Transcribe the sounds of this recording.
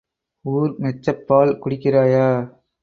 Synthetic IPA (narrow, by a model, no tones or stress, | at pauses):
uːɾnɛt͡ʃːɐpːaːlkʊɽɪkːɪraːjaː